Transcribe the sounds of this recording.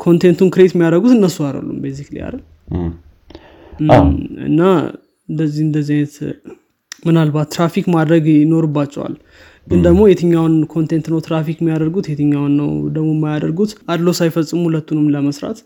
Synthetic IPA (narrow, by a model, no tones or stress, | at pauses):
kʰo̞nt̪ʰe̞nt̪unkɨɾet̪mːijad̪əɡut̪ɨnːəsuaɾə̰lːṵmbejziklḭja̰ɾə | ɨ̰nːa | ɨnd̪əzːihɨnd̪əzːanət̪ | mɨnalbat̪ːɾafikmad̪ɾəɡno̞ɾɨbːat͡ʃːɛwa̰l | ɡɨnd̪əɡmo̞jɛt̪ʰɨɲːawnkʰo̞nt̪ʰe̞nt̪nəwt̪ɾafikmːijad̪əɾɡut̪jɛt̪ʰɨɲːawnːə̰wd̪əɡmo̞mːajad̪əɾɡut̪ad̪losajfəsʼːɨmhulət̪ːunɨmləməsɾa̰t̪